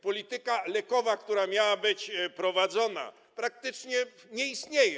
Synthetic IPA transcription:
pɔlʲit̪ɘkalɛkɔvakt̪uɾamʲjawabɘt͡ɕpɾɔvad̪zɔna̰ | pɾak̚t̪ɘt͡ʂɲɛ | ɲɛist̪ɲejɛ

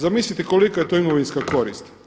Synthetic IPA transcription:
zamislʲit̪eko̞likajet̪oimoʋinskako̞ɾist̪

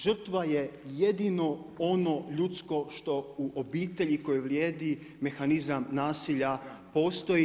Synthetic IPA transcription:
ʒr̩t̪ʋaje̞jed̪ino̞o̞no̞ʎut̪sko̞ʃt̪o̞uʔobiːt̪e̞ʎiko̞jeʋljeːd̪i | me̞xanizamnaːsiʎapo̞ːst̪o̞i

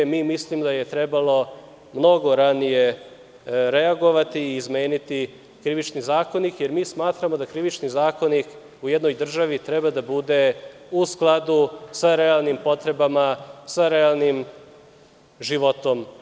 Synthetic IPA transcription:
miːmislimd̪ajet̪ɾe̞balo̞ | mno̞ɡo̞ɾanije̞ | ɾeaɡo̞ʋat̪iːzme̞ːnit̪i | kɾiʋit͡ʃnizaːko̞nikje̞ɾmiːsmaːt̪ɾamo̞d̪akɾiʋit͡ʃnizaːko̞nik | ujed̪no̞jd̪r̩ʒaʋit̪ɾe̞bad̪abud̪e | usklˠad̪usaɾe̞alˠnimpo̞t̪ɾe̞bamasaɾealˠnim | ʒiʋot̪o̞m

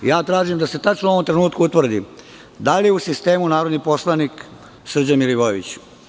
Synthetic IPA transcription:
jaːt̪ɾaːʒimd̪ase̞t̪at͡ʃnouo̞ʋo̞mt̪ɾe̞nuːt̪kuut̪ʋr̩d̪i | d̪alijeusist̪e̞ːmunaːɾo̞d̪nipo̞slˠanik | sr̩d͡ʑanmiliʋojeʋḭt͡ɕ

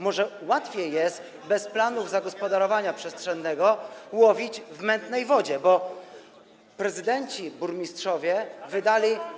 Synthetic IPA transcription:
mɔʐɛwat̪fʲjejːɛst̪ | bɛsplanuvzaɡɔspɔd̪aɾɔvaɲapʂɛstʂɛnːɛɡɔwɔvʲid͡ʑvmɛnt̪nɛjvɔd͡ʑɛbɔ | pɾɛzɘd̪ɛɲt͡ɕibuɾmʲistʂɔvʲjɛvɘd̪alʲi

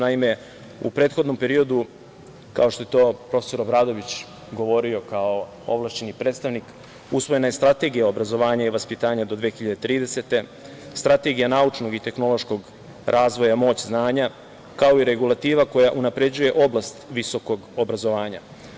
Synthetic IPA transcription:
naime̞ | ṵpɾe̞ːt̪xo̞d̪no̞mpe̞ɾio̞d̪u | ka̰o̞ʃt̪o̞jet̪o̞ːpɾo̞feso̞ɾo̞bɾaːd̪o̞ʋit͡ɕ | ɡo̞ʋo̞ɾio̞kao | o̰ʋlˠaʃt͡ɕe̞nipɾet̪st̪aʋnik | usʋo̞je̞naje̞st̪ɾat̪e̞ɡijao̞bɾazo̞ʋaːɲaiʋaspit̪aːɲad̪od̪ʋeːxiʎad̪et̪ɾiːd̪e̞se̞t̪e̞ | st̪ɾat̪e̞ɡijanaut͡ʃno̞ɡit̪e̞xno̞lo̞ʃko̞ɡ | ɾʔaːzʋo̞jamo̞ːt͡ɕznaːɲa | kao̞iɾe̞ɡulˠat̪iːʋako̞jaʔunapɾe̞d͡ʑuje̞ʔo̞blˠast̪ʋiso̞ko̞ɡobɾazo̞ʋaːɲa̰

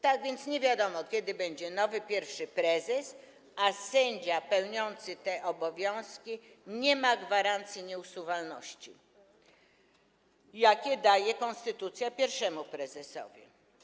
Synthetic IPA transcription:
t̪aɡvʲjɛnt̪sɲɛvʲjad̪ɔmɔkʲjɛd̪ɘbɛɲd͡ʑɛnɔvɘpʲjɛɾfʂɘpɾɛzɛs | asɛɲd͡ʑapɛwɲɔnt̪sɘt̪ɛʔɔbɔvʲjɔ̃w̃skʲi | ɲɛmaɡvaɾant̪sʲjiɲɛusuvalnɔ̰ɕt͡ɕḭ | jakʲɛd̪ajɛkɔnst̪ɘt̪ut̪sʲjapʲjɛɾfʂɛmupɾɛzɛsɔ̰vʲḭ

